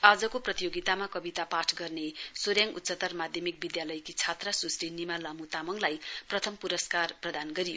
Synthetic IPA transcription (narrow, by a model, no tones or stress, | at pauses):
ad͡zʌkoprʌt̪ijoɡit̪amakʌbit̪apaʈʰɡʌrnesoɾjaŋut̪ːsʌt̪ʌrmad̪ʱjʌmik̚bid̪jalʌjkit͡sʰat̪rasusinimalamut̪amʌŋlajprʌt̪ʰʌmpuɾʌskarprʌd̪anɡʌɾijo